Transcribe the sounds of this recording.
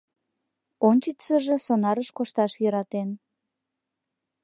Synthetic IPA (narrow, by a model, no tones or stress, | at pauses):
onʲt͡ɕit͡səʒesonɑɾəʃkoʃt̪ɑʃjəɾɑt̪en